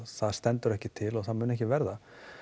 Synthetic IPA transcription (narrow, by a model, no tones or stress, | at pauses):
θaðst̪ɛnt̪ʏɾɛhcɪt̪ʰɪlɔɣθaðmʏːnɛhcɪvɛɾða